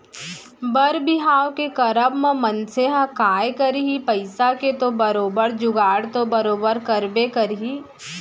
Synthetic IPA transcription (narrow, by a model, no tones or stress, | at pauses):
bəɾbɪɦaːwkekɐɾəbməmənseɦãkaːjkəɾiɦipɐɪsaket̪obɐɾoːbəɾd͡ʒʊɡaːɽt̪obɐɾoːbəɾkɐɾbekɐɾɦi